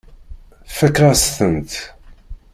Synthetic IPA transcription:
fækːɾasθənt̪

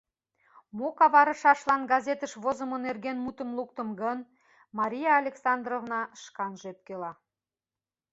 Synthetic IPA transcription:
mokɑβɑɾə̆ʃɑʃlɑnɡɑzʲet̪əʃβozə̆monerɣenmut̪əmlˠukt̪əmɡən | mɑɾʲijɑːlʲeksɑnd̪rovnɑʃkɑnʒep̪̚kelɑ

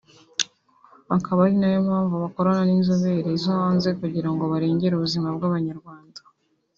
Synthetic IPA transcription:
akaβaɾinajo̞mhaːɱvuβako̞ɾananinzoβe̞ɾeizoβaːnze̞kuɟiɾaŋɡo̞βaɾeːɲɟe̞ɾuβuzimab̚ɡaːβaɲaɾɡwaːnda

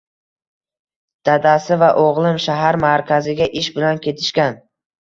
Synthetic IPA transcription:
d̪̥ad̪asɪvaʔoʁlˠɪmʃaɦaɾmaɾkʲʰazɪɡʲaʔɪʃbɪlankʲʰe̞t̪ʰɪ̥ʃkʲan

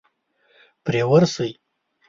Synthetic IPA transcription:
pɾewaɾsuj

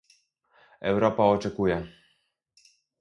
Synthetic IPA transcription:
ɛwɾɔpaɔt͡ʂɛkujɛ

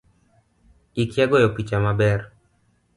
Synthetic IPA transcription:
ikjaɡɔjɔpit͡ʃamabɛr

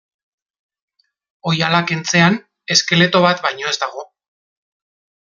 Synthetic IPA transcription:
o̞jalakent͡se̞an | e̞ske̞le̞t̪o̞β̞at̪bajɲo̞e̞zd̪aɣ̞o̞

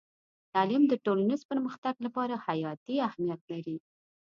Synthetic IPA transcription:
t̪ɑlɪmd̪əʈolanizpəɾməxt̪aɡlapɑɾahajɑt̪iahmijat̪̚laɾi

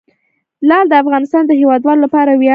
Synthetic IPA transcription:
lɑld̪əafɣɑnɪst̪ɑnd̪əɦewɑd̪wɑlolapɑɾawjɑ

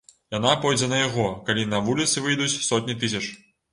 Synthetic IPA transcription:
janapɔjd͡zʲɛnɐjaɣɔkalʲinɐvulʲit̪sɨvɨjd̪ut͡sʲsɔt̪ʲnʲit̪ɨsʲɐt͡ʂ

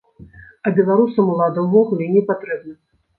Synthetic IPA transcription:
ɐbʲɛlˠaɾusɐmulˠad̪ɐwvɔɣulʲɛinʲɛpat̪ɾɛbnɐ

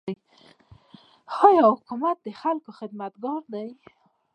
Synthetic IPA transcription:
hɑjɑhʊkumat̪̚d̪əxalkoxɪd̪mat̪ɡɑɾd̪aj

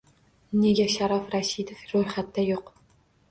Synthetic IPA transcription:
neɡʲæʃaɾɑfɾaʃid̪ofɾɵjχat̪ːajoq

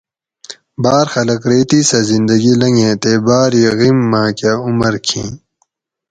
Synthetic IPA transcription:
baːɾxɐlɐkɾeːt̪isɐzind̪ɐɡilɐŋɡẽːt̪ebaːɾjeɣimːãːkaumɐɾkʰḭ̃ː

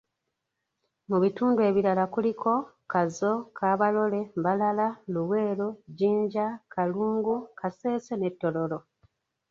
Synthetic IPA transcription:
muβituːndue̞ːβiɾalakulikʰo̞ | kazo̞kʰaːβalo̞le̞mbalalaluβwe̞ːɾoɟiːɲɟakaluːŋɡukʰase̞ːsene̞tːo̞lo̞lo̞

